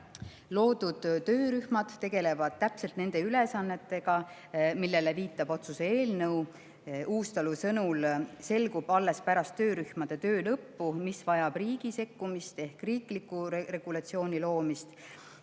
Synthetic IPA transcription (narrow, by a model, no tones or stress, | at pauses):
lo̞ːd̪ud̪̥tːø̞ːɾyhmɑd̪̥t̪ːe̞ɡ̥e̞le̞vɑd̪̥̚t̪æpse̞lt̪ne̞nd̪̥e̞ylesɑnːe̞t̪ːˑe̞ɡ̥ɑ | milːe̞le̞viːt̪ːˑɑb̥o̞t̪suseeːlnɤw | uːst̪ɑlusɤnulse̞lɡub̥ɑlːe̞spæɾɑst̪ːøːɾyhmɑd̪̥e̞t̪ø̞ːlɤpːumisvɑjɑb̥riːɡ̥ise̞kːumist̪e̞hkriːklikːure̞ɡ̥ulɑt̪sio̞ːnʲilo̞ːmist̪